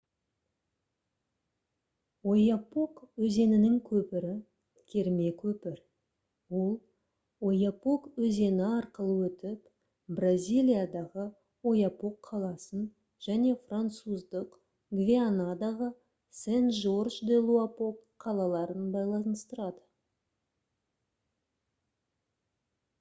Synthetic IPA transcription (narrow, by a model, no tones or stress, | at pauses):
wo̞japo̞kwɵze̞nɪnɪŋkʲʰɵpɪɾɪ | kʲʰe̞ɾme̞kʲʰɵpɪɾ | wo̞lˠ | o̞japo̞kwɵze̞nɪɑɾqəlˠəwɵt̪ɪp | brazʲijlʲˠijad̪ɑʁə | o̞japo̞kʰːɑlˠɑsən | ʒ̥æne̞frant̪suzd̪əq | ɡvʲianad̪ɑʁə | senʒo̞rʃd̪e̞lˠuapo̞kʰːɑlˠɑlˠɑɾənbɑjlˠɑnəst̪əɾɑd̪ə